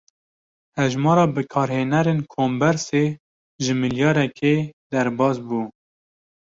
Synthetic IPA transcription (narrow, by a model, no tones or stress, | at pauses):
hɛʒmɑːɾɑːbɨkʰɑːɾheːnɛɾeːnkʰoːmbɛɾse | ʒɨmɨljɑːɾɛkʰed̪ɛɾbɑːsbuː